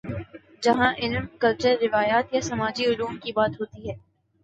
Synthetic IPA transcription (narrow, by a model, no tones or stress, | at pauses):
d͡ʒɐɦãʔɪlmkɐlt͡ʃəɾːɪʋaːjaːt̪jasɐmaːd͡ʒiʊluːmkibaːt̪ɦoːt̪iɦɛː